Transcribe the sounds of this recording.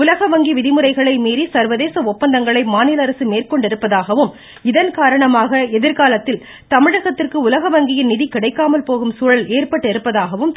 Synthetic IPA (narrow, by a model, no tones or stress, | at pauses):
ʊlɐɣɐʋɐŋɡiʋɪðɪmɯɾɐɪɣɐɭɐɪmiːɾisɐɾʋɐðeːsɐɔpːɐnd̪ɐŋɡɐɭɐɪmaːnɪlɐɾɐsɯmeːrkɔɳɖɪɾɯpːɐðaːɣɐʋɯm | ɪðɐnkaːɾɐɳɐmaːɣɐɛðɪɾkaːlɐt̪ːɪl | t̪ɐmɪɻɐɣɐt̪ːɪrkɯʊlɐɣɐʋɐŋɡɪjɪnnɪðikɪɽɐɪkːaːmɐlpoːɣɯmsuːɻɐleːrpɐʈːɪɾɯpːɐðaːɣɐʋɯm